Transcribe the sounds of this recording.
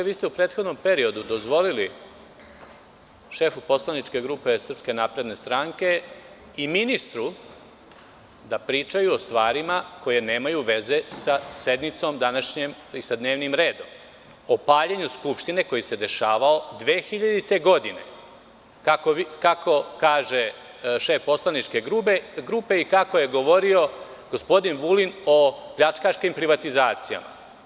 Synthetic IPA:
ʋiːst̪eupɾeːt̪xod̪no̞mpe̞ɾio̞d̪ud̪o̞zʋo̞lili | ʃe̞fupo̞slˠanit͡ʃke̞ɡɾuːpe̞sr̩pske̞naːpɾe̞d̪ne̞st̪ɾaːŋke̞ | iminist̪ɾu | d̪apɾiːt͡ʃajuost̪ʋaːɾimako̞je̞ne̞ːmajuʋe̞ze̞sase̞d̪nit̪so̞md̪anaʃɲem | isad̪ne̞ːʋnimɾe̞ːd̪o̞m | opaːʎeɲuskupʃt̪ine̞ko̞jise̞d̪e̞ʃaːʋao̞d̪ʋeːxiʎad̪it̪e̞ɡo̞d̪ine̞̰ | kakokako̞kaːʒe | ʃefpo̞slˠanit͡ʃke̞ɡɾuɡɾupe̞ikakoje̞ɡoʋo̞ɾio̞ | ɡ̥ospo̞d̪inʋulino̞pʎat͡ʃkaʃkimpɾiʋat̪izaːt̪sija̰ma̰

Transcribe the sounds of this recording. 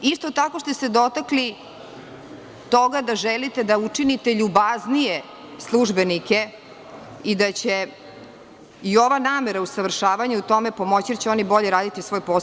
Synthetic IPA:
ist̪o̞t̪ako̞ʃt̪ese̞d̪o̞t̪akli | t̪o̞ɡad̪aʒɛlit̪e̞d̪aut͡ʂinit̪e̞ʎubaznije | slˠuʒbenike | id̪at͡ɕe | io̞ʋanaːmeɾausaʋr̩ʃaːʋaɲeut̪o̞mepo̞mo̞t͡ɕid̪at͡ɕeo̞nibo̞ʎeɾaːd̪it̪isʋo̞ːjpo

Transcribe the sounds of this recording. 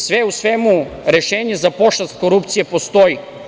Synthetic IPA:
sʋɛusʋɛmuɾɛʃɛɲɛzapoʃlast̪koɾupt̪sijɛpost̪oi

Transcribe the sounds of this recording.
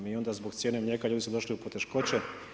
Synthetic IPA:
mio̞nd̪azbo̞ɡt̪sje̞ːnemɲekalʎuːd̪isud̪o̞ʃliupo̞t̪e̞ʃko̞t͡ɕe

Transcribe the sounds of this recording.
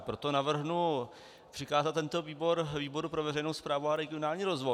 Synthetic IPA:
pɾo̞t̪onavr̩ɦnu | pr̥ɪkaːzat̪ɛnt̪o̞viːbo̞ɾviːbo̞ɾupɾo̞vɛrɛjnowspɾaːvuaɾɛɡɪonaːlɲiːɾozvoj

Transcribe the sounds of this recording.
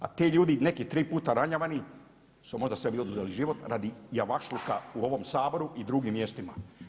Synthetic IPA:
a̰t̪iːʎuːd̪ine̞kit̪ɾiːpuːt̪aɾaɲaʋani | sumo̞ʒd̪asʋebio̞d̪uzeliʒiʋot̪ɾad̪ijaʋaʃluka̰uo̞ʋo̞msaːbo̞ɾuid̪ɾuɡimːje̞st̪ima

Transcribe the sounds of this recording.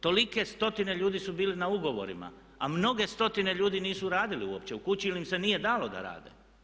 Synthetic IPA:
t̪o̞like̞st̪o̞t̪ine̞ʎuːd̪isubiːlinauɡo̞ʋo̞̰ɾḭma̰ | amno̞ɡe̞st̪o̞t̪ine̞ʎuːd̪iniːsuɾaːd̪iliuo̰p̚t͡ɕe̞ukut͡ɕiilimse̞niːje̞d̪aːlod̪a̰ɾa̰ːd̪ḛ

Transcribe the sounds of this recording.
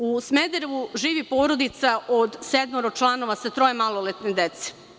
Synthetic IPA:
usmed̪eɾʋuʒiːʋipoːɾod̪it̪saʔod̪sed̪moɾot͡ʃlˠano̞ʋasat̪ɾojemalˠolet̪ned̪et̪se̥

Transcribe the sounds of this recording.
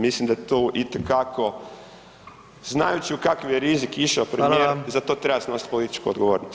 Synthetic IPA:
mislimd̪ajet̪uːʔit̪ekakʰo̞ | znajut͡ʃiukakaʋjeɾizikiʃaopɾemieizat̪ot̪ɾebaseno̞si̥t̪̚polit̪i̥t͡ʃkuod̪ɡoʋoːɾnos

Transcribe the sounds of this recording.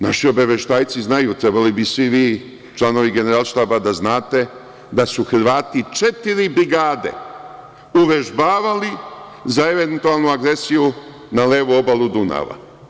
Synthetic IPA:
naʃio̞baʋjeʃt̪aːjt̪siznajut̪ɾebalibisʋiʋiː | t͡ʃlˠano̞ʋiɡe̞neɾalˠʃt̪aːbad̪aznaːt̪e̞ | d̪asuxɾʋaːt̪it͡ʃe̞t̪iɾibɾiɡaːd̪e̞̰ | uʋe̞ʒbaːʋali | zae̞ʋent̪ualˠnuaɡɾe̞siju | naleːʋuo̞balˠud̪una̰ʋa̰

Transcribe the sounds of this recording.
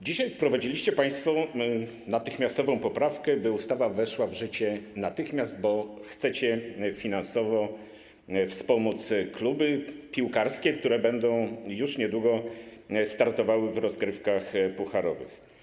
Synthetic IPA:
d͡ʑiɕajfpɾɔvad͡ʑilʲiɕt͡ɕɛpaj̃st̪fɔ | nat̪ɘxmʲjast̪ɔvɔ̃w̃pɔpɾafkɛbɘust̪avavɛʂwavʐɘt͡ɕɛnat̪ɘxmʲjazd̪̚bɔxt̪sɛt͡ɕɛfʲinansɔvɔ | fspɔmɔt̪sklubɘpʲiwkaɾskʲɛk̚t̪uɾɛbɛnd̪ɔ̃w̃juʂɲɛd̪wuɡɔ | st̪aɾt̪ɔvawɘvɾɔzɡɾɘfkaxpuxaɾɔvɘ̰x

